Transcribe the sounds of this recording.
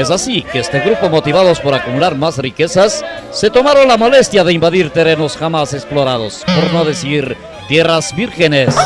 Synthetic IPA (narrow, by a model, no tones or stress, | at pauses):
es̬asikeest̪e̞ɣɾupomo̞t̪iβað̞o̞spo̞ɾakumulaɾmasrike̞sasːe̞t̪o̞maɾo̞nlamo̞le̞st̪jaðe̞imbaðiɾt̪e̞ɾe̞no̞sxamase̞ksplo̞ɾað̞o̞spo̞ɾno̞ðe̞siɾ | t̪je̞razbiɾxene̞s